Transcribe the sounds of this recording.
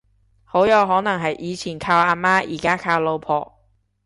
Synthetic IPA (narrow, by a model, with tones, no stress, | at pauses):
ho˨˥wjɔ˨˧wɦɔː˨˥nɐ˨˩ŋɦɐ˨jʔiː˨˧t͡sʰiː˨˩nkʰaː˧wʔaː˧maː˥jḭː˨˩kaː˥kʰaː˧wlo˧wpʰɔ̰ː˨˩